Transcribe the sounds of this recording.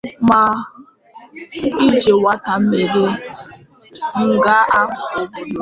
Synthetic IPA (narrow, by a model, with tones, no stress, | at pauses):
ma˨ | i˦d͡ʒe˨wa˦ta˨m̩˦me˨ɾe˦ | ŋ̩˦ɡa˦ʔa˦